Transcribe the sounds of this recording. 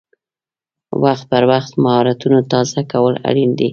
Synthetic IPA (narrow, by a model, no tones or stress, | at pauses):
waxt̪̚pəɾwaxt̪mahɑɾat̪unot̪ɑzakawəla̰ɽind̪i